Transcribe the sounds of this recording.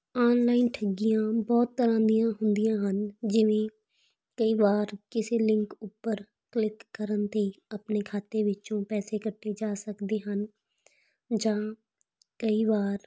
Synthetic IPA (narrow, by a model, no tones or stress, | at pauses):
ɔːnlaːɪnʈʰəɡːijãbɔːt̪ːəɾãːnd̪ijãɦʊ̃nd̪ijãːɦənd͡ʒɪʋẽ | kəibaːɾkɪsilɪ̃ŋkuːpəɾ | klɪkːəɾənt̪ʰeəpnekʰaːt̪eʋɪt͡ʃõpɛːsekəʈʰːed͡ʒaːsəkd̪eɦən | d͡ʒãː | kəibaːɾ